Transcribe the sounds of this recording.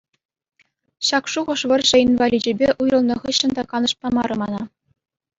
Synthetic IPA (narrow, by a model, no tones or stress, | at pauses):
ɕɑkʂuʁɤ̆ʂʋɤ̆rʐɘ̆invɑlʲid͡ʑĕbʲeʔujɤ̆lˠnɤ̆ʁɤ̆ɕːɤ̆nd̪ɑkɑnɤ̆ʂpɑmɑɾɤ̆mɑnɑ